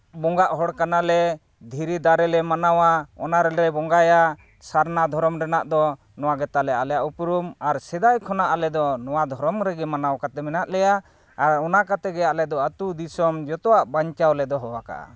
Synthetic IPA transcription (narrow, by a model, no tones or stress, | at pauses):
bɔŋɡaʔɦɔɽkanalɛ | d̪ʱiɾid̪aɾɛlɛmanawaɔnaɾɛɾɛbɔŋɡaja | saɾnad̪ʱɔɾɔmɾɛnaʔd̪ɔ | nɔwaɡɛt̪alɛalɛjaʔupɾumaɾsɛd̪ajkʰɔnaʔalɛd̪ɔnɔwad̪ʱɔɾɔmɾɛɡɛmanawkat̪ɛmɛnaʔlɛjaː | ɾɔnakat̪ɛɡɛjaʔlɛd̪ɔat̪ud̪isɔmd͡ʒɔt̪ɔwaʔbaɲt͡ʃawlɛd̪ɔɦɔwaka̰ʔa̰